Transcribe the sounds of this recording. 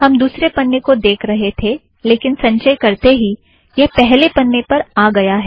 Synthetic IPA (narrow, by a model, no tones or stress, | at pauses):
ɦɐmd̪uːsɾepɐnːekod̪eːkʰɾɐɦet̪ʰe | leːkɪnsɐ̃ɲʃəjkɐɾt̪eɦi | jɛpɛɦlepɐnːepɐɾaːɡɐjaɦɛː